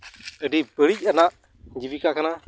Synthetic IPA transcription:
əɖibəɭic̚ˀanaʔ | d͡ʒibikakana

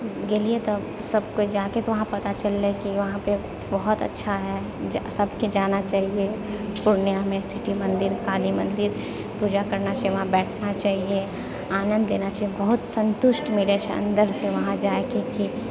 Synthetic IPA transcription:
ɡeliet̪o | sɐbkod͡ʒaːket̪oʋɐɦãpɐt̪at͡ʃɐlːekiʋɐɦãpe | bɐɦʊt̪ɐ̰tːʃʰaɦɛ | d͡ʒsɐbʱked͡ʒaːnat͡ʃaːɦiepʊɾnjamẽsɪʈimɐ̃nd̪ɪɾkaːlimɐ̃nd̪ɪɾ | puːd͡ʒakɐɾnat͡ʃaːjeʋɐɦãbɛːʈʰnat͡ʃaːɦie | aːnə̃nd̪leːnat͡ʃaːɦiebɐɦʊt̪sɐ̃nt̪ʊʃʈmiɽeʃɐ̰̃nd̪əɾseʋɐɦãd͡ʒaːekeki

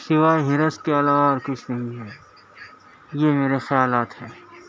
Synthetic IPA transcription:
sɪʋaːeɦɪɾəskeɐlaːʋaɔːɾkʊt͡ʃʰnɐɦĩɦɛː | jemeːɾexɐjaːlaːt̪ɦɛː

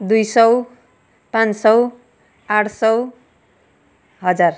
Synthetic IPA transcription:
d̪ujsʌw | pãnsʌw | aʈʰsʌw | ɦʌd͡zar

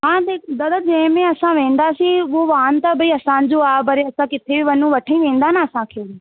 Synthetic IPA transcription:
ɦãːd̪eːd̪əd̪ad͡ʒeːmẽːəsãːʋẽːnd̪aːsiːʋoːʋaːnt̪aːbəiːəsãːnd͡ʒoːaːbəɾeːəsãːkɪt̪ʰeːʋiːʋənːũːʋəʈʰaĩːʋẽːnd̪aːnaːəsãːkʰeːeː

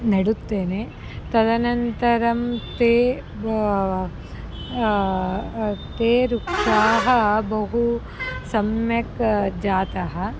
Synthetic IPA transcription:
nɐɽut̪ːeːne | t̪ɐd̪ɐnɐnt̪ɐɾɐmt̪eː | t̪eːɾukʂaːɦɐbɐɦu | sɐmjɐkd͡ʒaːt̪ɐɦɐ̆

